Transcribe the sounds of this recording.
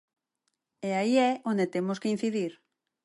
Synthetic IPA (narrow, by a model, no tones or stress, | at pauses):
eaiɛond̪et̪emoskein̟θiðiɾ